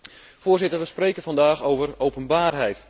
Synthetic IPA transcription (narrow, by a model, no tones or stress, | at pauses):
foːrzɪtərʋəspreːkənfɑndaːxowvərowpənbaːrɦɛjt